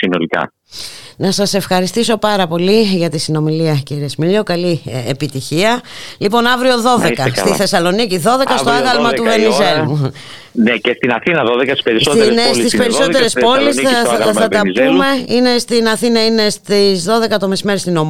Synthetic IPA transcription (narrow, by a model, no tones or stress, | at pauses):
sinolikɐ̰ | nɐsɐse̞fxɐɾist̪iso̞pɐɾɐpo̞liʝɐt̪isino̞miliɐciɾiesmiʎokɐliepit̪içiɐlipo̞nɐvɾio̞ðo̞ðe̞kɐst̪iθe̞sɐlo̞niciðo̞ðe̞kɐst̪o̞ɐɣɐlmɐuve̞nizelu | necest̪inɐθinɐðoðekɐst̪i̥sspeɾissonst̪ispeɾiso̞t̪eɾespo̞lisθɐt̪ɐume̞ine̞st̪inɐθinɐine̞st̪izðo̞ðe̞kɐt̪o̞mesimeɾist̪ino̞m